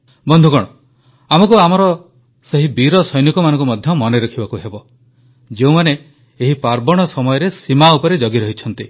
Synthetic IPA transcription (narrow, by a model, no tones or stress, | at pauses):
bɔnd̪ʱukɔɽ̃ɔ | amɔkuamɔɾɔ | seɦibiɾɔsɔjnikɔmanɔ̃ŋkumɔd̪ʱjɔmɔneɾɔkʰibakuɦebɔ | d͡ʒeũmaneː | ɦipaɾbɔɽ̃ɔsɔmɔjɔɾesimaupɔɾed͡ʒɔɡiɾɔɦit͡ʃʰɔnt̪i